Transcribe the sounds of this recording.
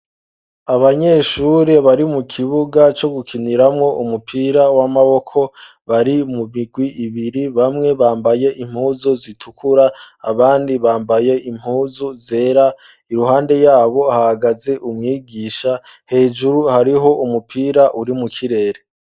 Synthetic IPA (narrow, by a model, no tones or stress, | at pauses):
aβaɲe̞ːʃuɾe̞βaɾimukʰiβuɡat͡ʃo̞ɡukʰiniɾamŋo̞umupʰiːɾawamaβo̞kʰo̞ | βaɾimumiɡwiʔiβiɾiβamŋe̞βaːmbaje̞ʔim̥huːzuzitʰukʰuɾa | aβaːndiβaːmbaje̞ʔim̥huːzuze̞ːɾa | iɾuɦaːnde̞jaːβo̞hahaɡaze̞ʔumŋiːɡiːʃa | he̞ːd͡ʒuɾuhaɾiɦo̞ʔumupʰiːɾaʔuɾimukʰiɾe̞ːɾe